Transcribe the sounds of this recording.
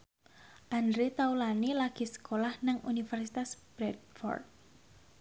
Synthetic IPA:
ʔandɾit̪aulanilaɡ̥i̤sə̥kolahnaŋṵnifɛrsit̪asb̥ɾɛd̚fɔ̰rd̪̚

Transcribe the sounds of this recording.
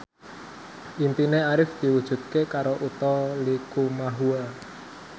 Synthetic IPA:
ʔint̪ineaɾɪfd̪̥i̤wud̥ʒ̥ṳt̪̚kekaɾoʔut̪ɔlikumaɦua

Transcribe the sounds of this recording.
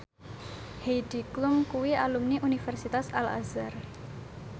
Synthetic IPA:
hejd̥i̤klʊmkuwiʔalumniʔunifɛrsit̪asa̰la̰zar

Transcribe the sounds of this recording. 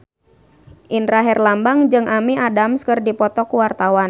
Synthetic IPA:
ʔinɾaɦɛrlambaŋd͡ʒɨŋʔamiʔadamskɨrdipɔt̪ɔkuwart̪awan

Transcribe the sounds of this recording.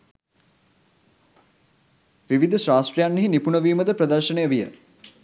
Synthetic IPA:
ʋiʋid̪ʱəʃɾaːsʈrijanːeɦinipunəʋiːməd̪əpɾəd̪əɾʃənejəʋijə̰

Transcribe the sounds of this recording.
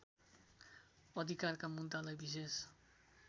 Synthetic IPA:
ɔd̪ikaɾkamunt̪alajbises

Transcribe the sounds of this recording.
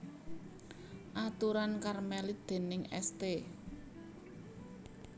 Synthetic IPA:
ʔat̪uɾankarmɛlid̪̥e̤nɪŋɛ̰st̪e

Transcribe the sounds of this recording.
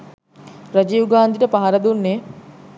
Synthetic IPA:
ɾɐd͡ʒiːwɡaːnd̪iʈəpaɦɐɾɐd̪unːe

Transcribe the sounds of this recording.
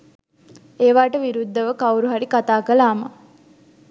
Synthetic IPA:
eːʋaːʈəʋiɾud̪ːɐʋəkɐwɾuɦaɾikat̪aːkəlaːmɐ

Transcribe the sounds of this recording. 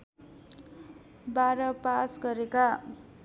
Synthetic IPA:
baɾʌpasɡʌɾeka

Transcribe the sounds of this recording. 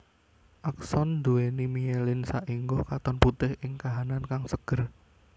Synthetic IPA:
ʔaksɔnd̪uwenimielɪnsaʔiŋɡokat̪ɔnput̪ɪhʔɪŋkaɦanankaŋsəɡ̥ər

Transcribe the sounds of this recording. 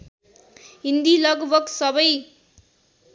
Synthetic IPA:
ɦind̪ilʌɡbʱʌɡsʌbʌj

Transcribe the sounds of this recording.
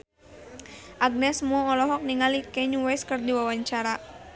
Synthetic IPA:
ʔaɡ̚nɛsmɔɔlɔɦɔk̚niŋalikɛɲuwɛskɨrdiwawaɲt͡ʃaɾa

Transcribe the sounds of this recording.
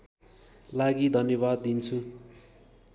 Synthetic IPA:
laɡid̪ʱʌnjʌβad̪ːint͡sʰu

